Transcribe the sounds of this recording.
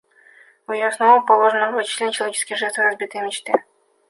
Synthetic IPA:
ʊjɪjosnovopɐlˠoʐənəvət͡ɕɪ̥slʲenʲt͡ɕɪlˠɐvʲet͡ɕɪskʲɪjʐɛst̪vəɾɐzbʲit̪əjəmʲɪt͡ɕt̪ɨ

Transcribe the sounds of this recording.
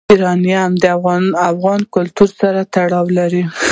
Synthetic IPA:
iɾɑnjaamd̪əafɣɑnkʊlt̪uɾsaɾat̪aɽɑwlaɾi

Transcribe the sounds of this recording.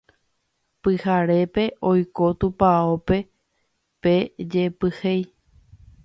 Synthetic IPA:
pɨhaɾe̞pe̞ʔo̞jkot̪upaope̞ | pe̞d͡ʒepɨhej

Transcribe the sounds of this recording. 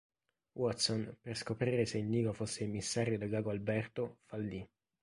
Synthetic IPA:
wʔɔt̪sonperskopɾiːɾeseilniːɡofosːeimːisːaɾjod̪aɡaːɡoalbɛrt̪ofalːi

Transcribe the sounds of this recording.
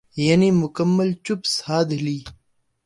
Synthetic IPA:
jɐnimʊkəmːəlt͡ʃupsaːd̪liː

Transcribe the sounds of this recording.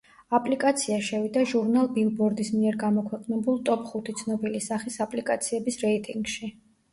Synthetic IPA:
apʼlikʼat̪sʰiaʃɛvid̪aʒuɾnalˠbilˠbɔɾd̪ismiɛɾɡamɔkʰwɛqʼnɛbulˠt̪ʼɔpʰʼχut̪ʰit̪sʰnɔbilisaχisapʼlikʼat̪sʰiɛbisɾɛit̪ʼiŋɡʃi

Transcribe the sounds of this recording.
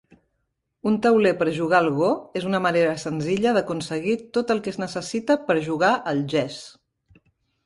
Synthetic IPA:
unt̪əwlepəɾʒuɣalˠɣoezunəməneɾəsənziʎəðəkunsəɣit̪ot̪əlˠkɛznəsəsit̪əpəɾʒuɣ̞aʔəlˠʒɛs

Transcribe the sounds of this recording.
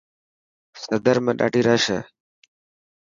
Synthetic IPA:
səd̪əɾmẽːɗa̰ːɖiːɾaːʃəː

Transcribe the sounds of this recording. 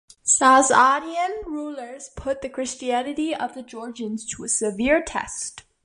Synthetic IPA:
sazɑɾiɨ̃nɹulˠə˞z̥pʰʊt̪̚ðɨkʰɹ̥ɪst͡ʃiænɨɾiʌvðɨd͡ʒɔɹd͡ʒɨ̃nz̥tʰəɨsɨvɪɹtʰɛ̰st

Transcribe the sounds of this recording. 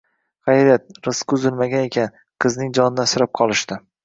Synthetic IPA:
qɑjɾat̪̚ɾɨskʲʊzɪlmaɡʲane̞kʲʰan | qʰɨznɪŋd͡ʒɒnɪnasɪɾɪp̚qʰɒlˠɪʃt̪ɪ

